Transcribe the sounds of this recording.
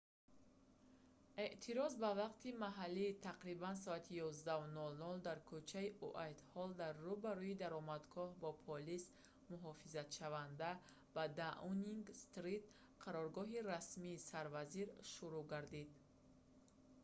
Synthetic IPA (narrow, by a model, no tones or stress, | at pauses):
e̞ʔt̪ʰiɾɔzbavaqt̪ʰimaɦalːit̪ʰaqɾibans̬ɔat̪ʰijɔzd̪aunɔlnɔld̪aɾkʰut͡ʃʰaiʔuʔajt̪hɔld̪aɾːubaɾuid̪aɾɔmad̪ɡɔhbɔpʰɔlis | muɦɔfizat̪ʃavand̪a | bad̪aʔuniŋɡst̪ɾit̪ | qʰaɾɔɾɡɔɦiɾasmiːsaɾvaziɾʃuɾuɡaɾd̪id̪